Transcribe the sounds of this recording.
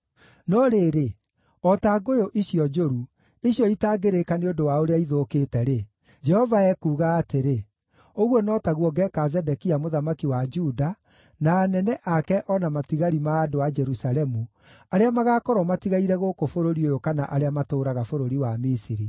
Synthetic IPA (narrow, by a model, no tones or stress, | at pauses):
nɔɾeɾe | ɔtaɡojoʔiɕiɔd͡ʒoɾu | iɕjɔitaːɡeɾekaneodowaoɾeaiðokeːtɛɾe | d͡ʒɛhɔvaɛkuːɣaːteɾe | oɣwɔnɔtaɣwɔɡɛkazɛdɛkiamoðamakiwad͡ʒuda | naːnɛnɛʔakɛʔɔnamatiɣaɾimaːdoad͡ʒɛɾusaɾɛmu | aɾeamaɣaːkɔɾɔmatiɣaiɾɛɣokofoɾoɾiojokanaʔaɾeamatoːɾaɣafoɾoɾiwamisiɾi